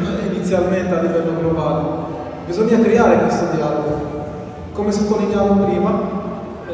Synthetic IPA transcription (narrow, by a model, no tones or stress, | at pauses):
init̪sːjalment̪ealːivɛlːoɡlobaːle | bizɔɲːakɾeaːɾekwest̪od̪jaːloɡo | komesupːoliɲːaːmopɾiːma